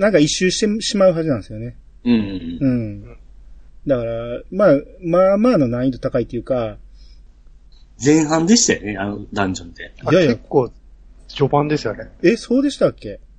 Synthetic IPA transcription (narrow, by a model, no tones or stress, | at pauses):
nãŋkaiɕːɨːɕi̥t̪eɕimaɯ̟ɦaʑinãnsɨjone̞ | ɯ̃ɯ̟̃ɴ | d̪akaɾamaːmaːmaːno̞nãĩt̪o̞t̪akait̪ːejɯ̟ːka | d͡zẽ̞ɰ̃ɦãnd̪e̞ɕi̥t̪ajo̰neanod̪ãɲd͡ʑõnt̪ejakjaekːoː | ɕobãnd̪e̞sɨjonee̞so̞ːd̪e̞ɕi̥t̪akːe̞